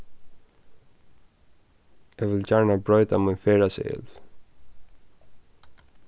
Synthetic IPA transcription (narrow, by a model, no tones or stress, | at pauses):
ɛvəlt͡ɕaɾnabɾɔjt̪amənfɛɾasɛ̰ɛ̰l